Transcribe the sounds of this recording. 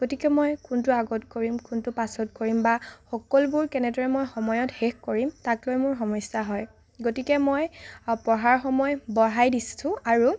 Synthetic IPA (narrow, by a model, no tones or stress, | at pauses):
ɡ̥otikɛmojkuntuaɡɔtkoɹimkʊntʊpasɔtkoɹimbaxɔkɔlbʊɹkɛnɛdɔɹɛmojxɔmɔjɔtxexkoɹimtaklojmʊɹxɔmɔjsaɦɔj | ɡotikɛmojpɔɦaɹxɔmɔjbɔɦajdissʊ̃aɹu